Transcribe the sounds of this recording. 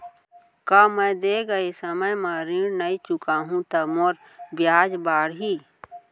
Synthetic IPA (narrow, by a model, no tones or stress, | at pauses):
kamə̃jd̪eɡəesəməjməɾiɾnəit͡ʃʊkaːɦũt̪əmoɾ | bjaːd͡ʒbaːɽɦi